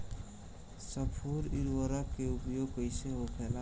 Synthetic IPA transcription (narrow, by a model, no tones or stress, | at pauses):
səpʰuɾiɾwəɾakeupjoːɡkəjseɦopʰɛla